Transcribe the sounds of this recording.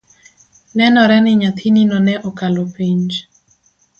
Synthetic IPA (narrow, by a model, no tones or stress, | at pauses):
nɛnɔɾɛnɪɲat̪ʰininɔnɛʔɔkalɔpiɲd͡ʒ